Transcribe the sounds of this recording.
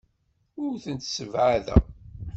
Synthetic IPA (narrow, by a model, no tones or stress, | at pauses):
ʊɾθənt̪səvʕaðæ̰